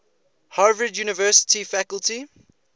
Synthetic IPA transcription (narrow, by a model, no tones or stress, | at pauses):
haːvɹɪdjuːnɪvɜːˑsɪ̥tifækəlti